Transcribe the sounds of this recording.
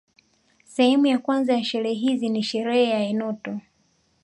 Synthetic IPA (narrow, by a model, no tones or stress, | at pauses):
sɛhɛmujakwanzajaʃɛɾɛɛɦiziniʃɛɾɛhɛjaɛnɔtɔ